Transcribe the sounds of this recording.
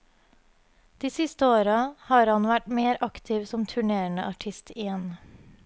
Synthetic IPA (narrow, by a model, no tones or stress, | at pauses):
d̪̥iːsɪst̪əoːɾɑhɑːɾhɑnʋæʈmeːɾʔɑkt̪ʰɪʋsɔmt̪ʰʉɳeːəɳə̰ʔɑʈʰɪst̪ʰɪjɛn